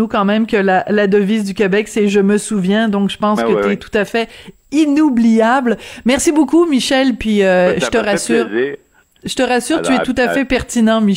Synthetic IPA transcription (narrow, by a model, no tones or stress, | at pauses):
ukɑ̃mɛ̃mkʲəlalad̪əvizd̪ykʲebɛksɛʒəməsuvjɛ̃d̪ɔ̃kʒəpɑ̃skət̪yɛt̪u̥t̪afɛ | inublijablmɛʁsibokumiʃɛlpɥiøʒət̪əʁasyːʁ | ʒət̪əʁasyːʁt̪yɛt̪ut̪afɛpɛʁt̪inɑ̃mi